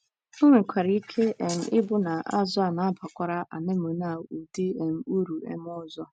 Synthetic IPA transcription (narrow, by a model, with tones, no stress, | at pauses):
ŋ̩˦ŋʷɪ˨kʷʰa˨ɾi˦i˦kʰe˦ʔe˨m̩˨ʔɪ˦bʊ˦na˨a̰˦zʊ˦a˨na˨˦pʰa˨kʷa˨ɾa˦ʔa̰˨ne˦mʊ˨na˨u˨de˦e˨m̩˨u˦ɾu˨ḛ˦m˦ɔ˦zɔ˦